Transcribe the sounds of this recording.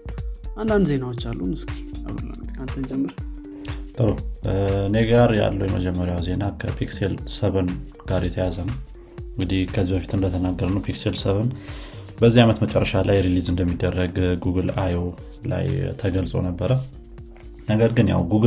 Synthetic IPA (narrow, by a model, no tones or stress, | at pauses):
ʔand̪and̪ze̞nawot͡ʃːalːumɨski̥aβla̰ant̪ʰənd͡ʒɛmːəɾ | t̪ʼəɾoɨne̞ɡaɾja̰lːəwjɛmə̰d͡ʒɛmːəɾjawze̞nakʰəpʰikselsəβən | ɡ̥aɾjɛt̪ʰəjazənəw | ɨŋɡɨd̪ihkʰəzibəfi̥t̪ʰɨnd̪ət̪ʰənaɡːəɾənəwpʰikselsəβən | bəzːiamət̪mət͡ʃʼɛ̰rːəʃalajɾilizɨnd̪əmːid̪ːərːəɡɡuɡɨlajo | la̰jt̪ʰəɡəlsʼo̰nəbːəɾə | nəɡəɾɡɨnja̰wɡuɡ